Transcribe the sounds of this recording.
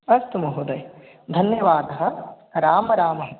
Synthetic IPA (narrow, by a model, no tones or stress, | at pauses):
ɐst̪umɐɦud̪ɐj | d̪ʱɐnjɐʋaːd̪ɐɦɐ | ɾaːmɐɾaːmɐɦɐ